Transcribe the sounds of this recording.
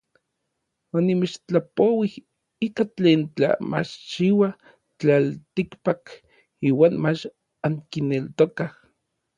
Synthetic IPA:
onimet͡ʃt͡ɬapowih | ikat͡ɬeːnt͡ɬa̰ma̰t͡ʃt͡ʃiwa | t͡ɬalt̪ikpak | iːwaːnmat͡ʃ | aŋkinelt̪okah

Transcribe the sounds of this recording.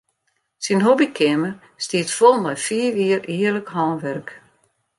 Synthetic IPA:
sinɦobikʰɪmə | stiətfolˠmɛjfiːʋiːəriːərləkhɔːnʋɛrk

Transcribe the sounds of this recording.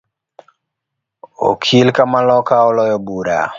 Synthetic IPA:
o̰kʰilkamalɔkaɔlɔjɔbuɾa̰

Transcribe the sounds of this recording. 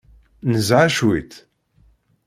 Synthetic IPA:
nəzʕaʃwit̪

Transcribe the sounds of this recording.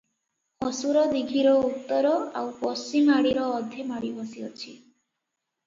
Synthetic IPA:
hɔsuɾɔd̪iɡʱiɾɔut̪ːɔɾɔawpɔst͡ʃimaɽiɾɔːd̪ʱemaɽibɔsiɔt͡ʃʰi

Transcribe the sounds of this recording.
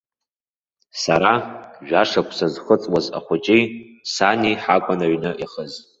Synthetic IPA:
saɾaʒᶣaʂakʷʰʼsazχət͡sʼwaza̰χʷʊt͡ʃʼijsaniħakʷʼanaɥnɨʔiχəz

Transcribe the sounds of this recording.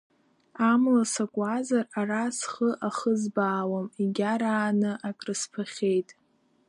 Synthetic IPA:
amlasakʷʼazararasχəʔaχəzbaːwamiɡʲaɾaːnɨʔakʼrɨspʰaχʲejtʼ

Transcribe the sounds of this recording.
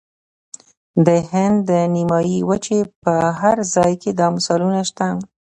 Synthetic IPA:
d̪əhɪnd̪ːənimɑjiwət͡ʃepəɦaɾzɑjkʰed̪ɑmʊsɑlunaʃt̪a

